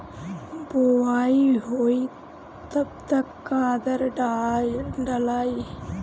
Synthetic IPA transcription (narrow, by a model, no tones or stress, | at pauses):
boːʋaːjiɦoːj | t̪ɐbt̪ɐkːaːd̪ɐɾɖ | ɖɐlaːji